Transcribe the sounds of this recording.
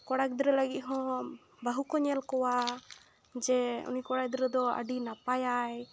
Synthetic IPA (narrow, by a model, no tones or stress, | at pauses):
kɔɽak̚d̪ɾɛləɡit̪̚ˀɦɔ̃ | baɦukɔɲɛlkɔwa | d͡ʒɛṵnikɔɽak̚d̪ɾɛd̪ɔə̰ɖinapajaj